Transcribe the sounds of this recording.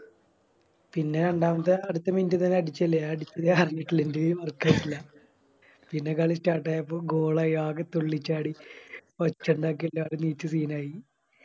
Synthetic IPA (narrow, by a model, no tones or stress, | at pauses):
pinːe̞ɐɳɖaːmnɐt̪ːɐɐɽut̪ːɐmindɨt̪ɐnːeɐɽit͡ɕːɐlːɐjaːɽit͡ɕːɐðekɐriɲːiʈːilindiʋɐrkːaːjʈːilːɐ | pinːe̞kɐɭistaːʈːaːjɐpːoːɡoːɭɐjaːket̪ːoɭːit͡ɕːaːɽiʋɐt͡ɕːɐɳɖaːk̬ːelːaːɽuniːt͡ɕːɨsiːnaːji